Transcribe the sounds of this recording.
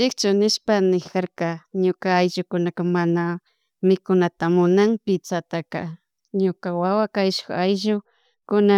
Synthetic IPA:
ɪkt͡ʃʊnɪʃpanɪkaɾkaɲʊkaːjʒʊkʊnakamana | mɪkʊnat̪amʊnaŋpɪt͡sat̪aka̰ | ɲʊkawawakajʃʊ̥xajʒʊ | kʊna

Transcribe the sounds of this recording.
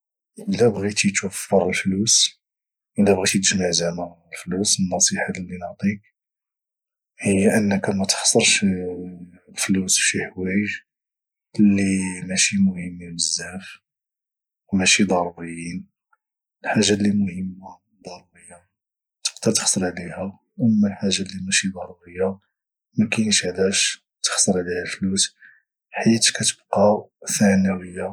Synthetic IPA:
ʔəlæbɣit̪it̪wəfːəɾˤəlflus | ʔəlæbɣit̪t̪ʒmaʕzænəɾəlflusənːɑsˤiħalːinəʕt̪ˤik̚ | həjːæʔənːəkæmæt̪xɑ̥sˤːəɾˤʃ | flusʃiħwæjəʒ | lːimæʃimʊhəmːibəzːæf | wmæʃid̪ˤɑɾˤubəjːin | lħaʒːalːimʊhəmːa | d̪ˤɑɾˤubəjːa | t̪ə̥qd̪əɾt̪xsˤəɾˤʕlihæ | ʔəmːælħaʒːalːimæʃid̪ˤɑɾˤuɾəjːa | mækænəʃʕd̪æʃ | t̪ə̥xsˤəɾˤʕlihælflus | ħit̪kæt̪ə̥bqɑθænəwəjːa

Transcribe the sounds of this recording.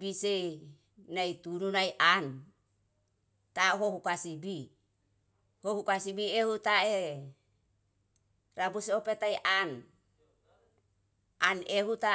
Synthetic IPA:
bise | najt̪ununajʔan | t̪aɦohukasibi | hohukasibiehut̪ae | rabuseopet̪ajʔan | aneɦut̪a

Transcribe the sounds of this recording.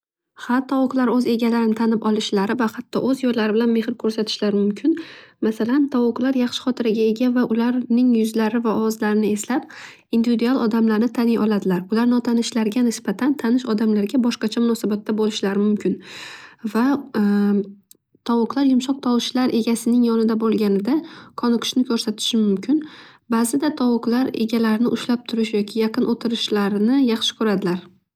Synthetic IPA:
hat̪ʰːɒwʊqlˠaɾɵze̞ɡʲalaɾɪnɪt̪ʰanɪpɒlˠɪʃlaɾɪvahat̪ʰːɒ̰ʔɵzjɒjlaɾɪbɪlanme̞hɪɾkʰɵɾsat̪ʰɪ̥ʃlaɾɪmʊmkʲʰɪnmasalant̪ʰɒwʊqlˠaɾjaχʃɪ̥χɒt̪ʰɪɾaɡʲae̞ɡʲavaʔʊlaɾnɪŋjʊzlaɾɪvaɒwɒzlaɾɪnɪe̞slap̚ | ind̪ivid̪ualˠʔɒd̪amlaɾnɪt̪ʰanɪjʔɒlˠad̪ɪlaɾʊlaɾnɒt̪ʰanɪʃlaɾɡʲanɪsbat̪ʰant̪ʰanɪʃɒd̪amlaɾɡʲabɒʃqɑt͡ʃʰamʊnɒsabat̪ʰːabolɪʃlaɾɪmʊmkʲʰɪnva | t̪ʰɒwʊqlˠaɾjʊmʃɒq̚t̪ʰɒwʃʰɪlaɾʔe̞ɡʲasɪnɪŋjɒnɪd̪abolˠɡʲanɪd̪akʰɒnɨqʰʊ̥ʃnɪkʲʰɵɾsat̪ʰɪ̥ʃɪmʊmkʲʰɪnbazɪd̪at̪ʰɒwʊqlˠaɾe̞̰ɡʲalaɾɪnɪʔʊʃlap̚t̪ʰʊɾɪʃjɒkʲʰɪjɑqʰɨnʔot̪ʰɪɾɪʃlaɾnɪjɑχʃɪ̥kʲʰʊɾad̪ɪlaɾ

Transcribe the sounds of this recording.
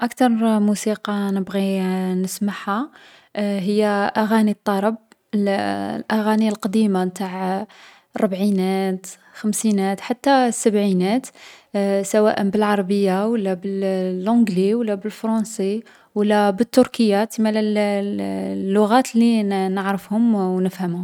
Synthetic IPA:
ʔakt̪ɑɾˤmusiqɑnəbɣinəsmaħha | ɦəjːæʔæɣænit̪ˤːɑɾˤɑb̚ | llʔæɣænilqɑd̪imant̪aʕ | rˤɑbʕinæt̪ | xəmsinæt̪ħat̪ːæsːəbʕinæt̪ | sæwæ̰ʔənbəlʕɑɾˤɑbəjːawəlːæbəllʕʊ̃ɡliwəlːæbəlfɾˤɑsˤi | wəlːæbət̪ːʊɾkəjːat̪imælæl | lːʊɣæt̪linəʕɾəfhʊmwnəfhæmʊ

